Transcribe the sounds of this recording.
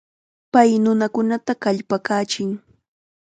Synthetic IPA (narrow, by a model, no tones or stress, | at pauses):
pajnʊnakʊnat̪akaʎpakaːt͡ʃɪŋ